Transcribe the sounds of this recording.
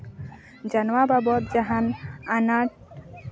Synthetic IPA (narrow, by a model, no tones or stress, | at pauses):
d͡ʒanwababɔt̪̚d͡ʒaɦananaʈ